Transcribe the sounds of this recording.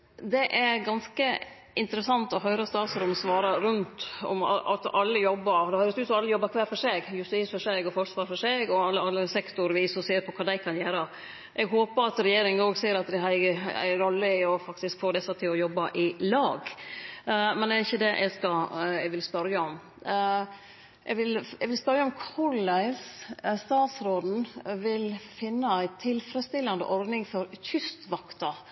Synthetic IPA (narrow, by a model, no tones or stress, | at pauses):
d̪ɛʔæɾɡɑnskə | ʔɪnt̪əɾəsɑnt̪ɔɦœʏɾəst̪ɑːt̪sɾɔmɔsʋɑːɾɑɾʉnt̪ɔ̰mɑ̰ɑ̰t̪ɑlːəjɔbːəɾd̪ɛhœʏɾət̪ʉːt̪sɔɑlːəjɔbːɑɾkʰʋæːɾfɔʂeːɡjʉst̪iːsfɔʂeɡɔfɔʂʋɑːɾfɔʂeːɡɔɑlːəɑlːəsɛkt̪ʊɾʋiːsɔseːɾpʰɔkʰɑːd̪æɪkʰɑnjæːɾə | ʔɛɡɦoːpəɾɑt̪ɾɛjeːɾɪŋoːɡseːɾɑt̪̚d̪ɛhɑæ̰ɾɔlːəɪɔfɑkt̪ɪskfoːd̪ɛsːət̪ʰɪlɔjɔbːɑʔɪlɑːɡ | mɛnd̪æɾɪçːəd̪ɛʔɛ̰ɡskɑɛɡʋɪlspœɾjəɔm | ʔɛɡʋɪlɛɡʋɪlspœɾjəɔmkʰʊɾlæɪsst̪ɑːt̪sɾoːd̪n̩ʋɪlfɪnːəæɪt̪ʰɪlfɾəst̪ɪlːɑnd̪ə̰ʔɔɾd̪nɪŋfɔɾçʏst̪ʋɑkt̪ɑ